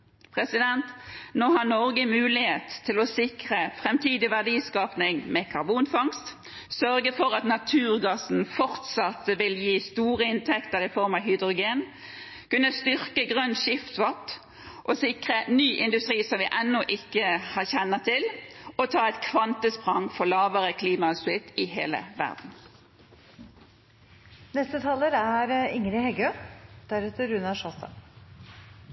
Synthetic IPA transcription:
pʰʁɛsɪd̪ɛnt̪noːɦɑnɔʁɡəmʉːlɪheːt̪t̪ʰːɪlɔsɪkʁəfʁɛmt̪ʰiːd̪ɪʋæʁd̪iːskɑːpnɪŋmɛkʰɑʁbuːnfɑŋst̪ | sœɾɡəfɔɾɑt̪nɑt̪ʰʉːʁɡɑsn̩fɔʁt̪sɑt̪əʋɪljiːst̪uːʁəɪnt̪ʰɛkt̪əʁɪfɔɾmɑʋɦʏd̪ʁʊɡeːn | kʉnːəst̪ʏʁkəɡʁœnʃɪft̪ʋɑt̪ː | ʔɔsɪkʁənyːʔɪnd̪ʉst̪ʁiːsɔmʋɪʔɛnːɔʔɪkːəhɑçɛnːət̪ʰɪlɔt̪ʰɑːɛt̪kʰʋɑnt̪əspʁɑŋfɔʁlɑːʋəʁəkʰliːmɑʉsɪt̪ɪɦeːlə̰ʋæ̰ʁd̪n̩ | nɛst̪ət̪ʰɑlːəɾæɾɪŋɾɪhɛɡød̪̥æɾʉt̪əɾʉnɑʂɔst̪ɑ̰n

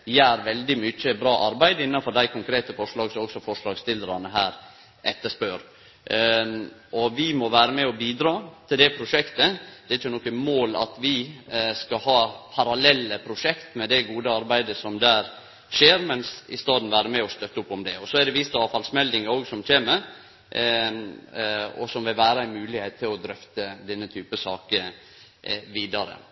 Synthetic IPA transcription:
jæːɾʋɛld̪ɪmyːt͡ʃːəbɾɑːʔɑɾbæɪd̪əɪnːɑnfɔɖæɪkʰʊŋkɾeːt̪əfɔʂɭɑːɡsɔɔksɔfɔʂɭɑːɡst̪ɪlːəɾɑnəɦæːɾ | ʔɛt̪ːəʂpøːɾ | ʔɔʋɪmɔʋæːɾəmɛɔbiːd̪ɾɑːt̪ʰɪld̪ɛpʰɾʊʂɛkt̪əd̪̥ɛɾɪt͡ʃːənɔkːəmoːlɑ̰t̪ʋɪskɑɦɑːpʰɑɾɑlɛlːəpʰɾʊʂɛkt̪mɛd̪ɛɡuːd̪əɑɾbæɪd̪əsɔmd̪æːɾ | ʂeːɾmɛnsɪ̰st̪ɑːd̪n̩ʋæːɾəmɛɔst̪œt̪ːəʊpːɔmd̪ɛɔsɔæɛd̪ɛʋɪst̪əɑːʋfɑlsmɛld̪ɪŋəoːɡsɔmc͡çeːməɾ | ɔ̰sɔmʋɪlʋæːɾəæɪmʉːlɪheːt̪ʰːɪlɔd̪ɾœft̪əd̪ɛnːət̪ʰyːpəsɑːkə | ʋiːd̪ɑɾə̰

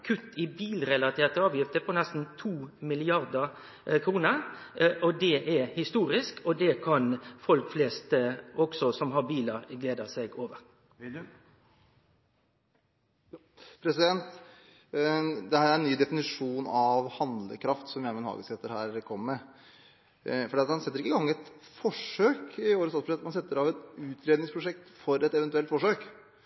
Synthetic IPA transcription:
kʰʉt̪ːɪbiːlɾɛlɑt̪ʰeːʁt̪əɑːʋjɪft̪əpʰɔnɛst̪n̩t̪ʰuːmɪlɪɑɾd̪ɑ | kʰɾuːnəɾʔɔd̪ɛʔæhɪst̪uːɾɪskʰɔd̪ɛkʰɑnfɔlkfleːst̪ʔɔɡ̥sɔsɔmɦɑɾbiːləɾɡleːd̪əsɛɡoːʋəɾ | pʰɾɛsɪd̪ɛnt̪ | d̪ɛhæːɾæɾɛnnyːd̪ɛfɪnɪʂuːnɑʋhɑnd̪lə̰kʰɾɑft̪sɔmjæɪmɛnhɑ̰ːɡəsɛt̪ːəɾhæːɾkʰɔmːɛ | fɔɖiːɑt̪hɑnsɛt̪ːəɾɪkːəɡɑŋːɛt̪fɔʂøːkɪoːɾəst̪ɑːsbəʂɛt̪ːmɑnsɛt̪ːəɾɑʋɛt̪ʉːt̪ʰɾeːd̪ɪŋspʰɾʊʂɛk̚t̪fɔɾɛt̪ɛʋɛnt̪ʉɛlt̪fɔʂøːk

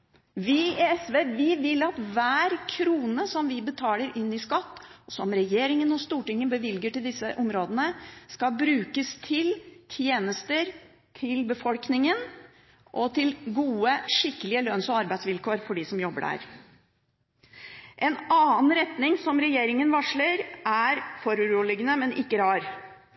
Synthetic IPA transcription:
ʋɪɛsʋeːʋɪʋɪlːɑt̪ʋæːɾkʰɾuːnəsɔmʋɪbət̪ʰɑːləɾɪnːɪskɑt̪ːsɔmɾɛjeːɾɪŋənɔst̪uːʈɪŋːənbəʋɪlɡəʈɪld̪ɪsːəʔɔmɾoːd̪ənəskɑlbɾʉːkəst̪ʰɪlt̪ʰjeːnəst̪əɾ | t̪ʰɪlbəfɔlknɪŋən | ʔɔt̪ʰɪlɡuːəʂɪkːəlɪəlœnsɔɑɾbæɪsʋɪlkoːɾfɔɖiːsɔmjɔbːəɖæ̰ːɾ | ʔɛnɑːn̩ɾɛt̪nɪŋsɔmɾɛjeːɾɪŋənʋɑʂɭəɾʔæɾfɔɾʉɾuːlɪɡənəmɛnʔɪkːəɾɑːɾ

